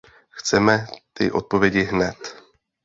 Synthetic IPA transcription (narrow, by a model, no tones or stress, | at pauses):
xt͡sɛmɛt̪ɪ̰ʔo̞t̪̚po̞vjɛɟɪɦnɛt̪